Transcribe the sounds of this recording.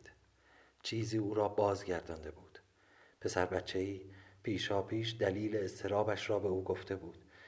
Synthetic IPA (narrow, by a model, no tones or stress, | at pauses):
d̪̥ | t͡ʃʰiːziːuːɾɒːbɒːzɟæɾd̪ɒːnd̪e̞buːd̪̥ | pʰe̞sæɾbæt̪t͡ʃʰːe̞iːpʰiːʃɒːpʰiːʃd̪æliːle̞ːst̪ʰe̞ɾɒːbæʃɾɒːbe̞uːɡo̞ft̪ʰe̞buːd̪̥